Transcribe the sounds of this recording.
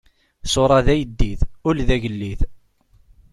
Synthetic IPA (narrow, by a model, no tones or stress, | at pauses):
sʊɾˤɑðæjəd̪ːiθʊlðæʝəlːiθ